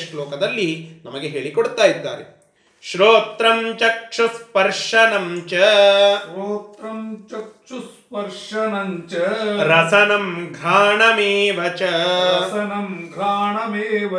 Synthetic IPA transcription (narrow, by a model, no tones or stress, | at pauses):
ʃʈloːkɐd̪ɐlːinɐmɐɡeɦeːɭikoɽt̪aːjid̪ːa̰ːɾe | ʃɾoːt̪ɾɐmt͡ʃɐkʂɐspɐɾʂɐnɐmt͡ʃɐɾoːt̪ɾɐmt͡ʃɐkʂus | pɐɾʂɐnɐɲt͡ʃɐɾɐsɐnɐmɡʱaːɳɐmeːʋɐt͡ʃɐɾɐsɐnɐmɡʱaːɳɐmeːʋɐ